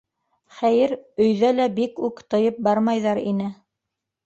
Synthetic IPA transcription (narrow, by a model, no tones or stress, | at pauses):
χæjɘɾɵ̆jðælæbikʉkt̪ɤ̆jɤp̚bɑɾmɑjðɑɾḭnɘ